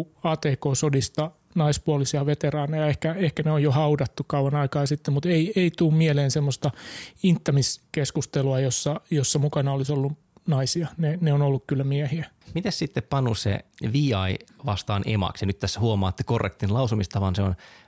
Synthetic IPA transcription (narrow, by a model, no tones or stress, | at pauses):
ɑːt̪eːkoːsodist̪ɑ | nɑispuolisiɑʋet̪erɑːnɑjɑehkæehkæneojjohɑudɑt̪ːukɑuɑnɑikɑːsit̪ːemmut̪eieit̪uːmmieleːnsemːost̪ɑint̪ːɑmiskeskust̪eluɑjosːɑjosːɑmukɑnɑolisolːu | nɑisiɑneneonolːukkylːæmiɛhiæmit̪æssit̪ːeppɑnːusḛʋiːɑiʋɑst̪ɑːnʔḛmɑ̰ksjɑnyt̪t̪æshuomɑːt̪ːe̥korːḛk̚t̪inlɑusumist̪ɑʋɑnseon